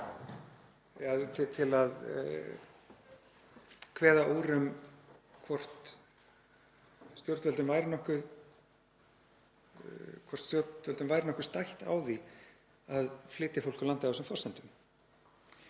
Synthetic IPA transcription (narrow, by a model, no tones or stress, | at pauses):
aðt̪ɪt̪ʰɪlað | kʰvɛːðaʔowɾʏm | kʰvɔr̥t̪ | st̪jowɾt̪vɛlt̪ʏmvajɾɪnɔhkʏð | kʰvɔr̥t̪st̪jowɾt̪vɛlt̪ʏmvajɾɪnɔhkʏ̥st̪ajht̪a̰ːwði | aðflɪːt̪ɪfowl̥kʏlant̪ɪaawsɛmfɔrsɛnt̪ʏm